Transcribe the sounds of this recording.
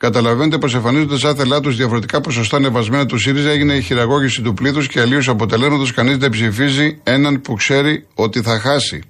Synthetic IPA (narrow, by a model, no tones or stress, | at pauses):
kɐt̪ɐlɐvenet̪̬e̞po̞se̞ɱfɐnizo̞nd̪esɐθe̞lɐt̪uzðiɐfoɾe̞t̪ikɐpo̞so̞st̪ɐne̞vɐzme̞nɐt̪usiɾizɐeʝine̞içiɾɐɣo̞ʝisit̪upliθusce̞ːlios̬ɐpo̞t̪e̞le̞zmɐt̪o̞skɐnizðe̞psifizie̞nɐnpukse̞ɾio̞t̪iθɐxɐsḭ